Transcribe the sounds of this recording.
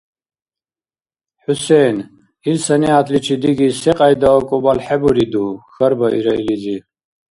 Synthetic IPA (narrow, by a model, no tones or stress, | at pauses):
ħusɛn | izsɐniat̪ʰlit͡ʃʰid̪iɡisɛqʼajd̪aɔkʼɔbalħɛbuɾid̪uxɐɾbɐʔḭɾɐilid͡zi